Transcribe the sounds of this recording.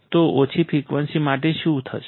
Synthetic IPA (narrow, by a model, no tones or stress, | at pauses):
t̪oʔot͡ʃʰipʰɾikʋənsimaʈeʃũt̪ʰə̰ʃ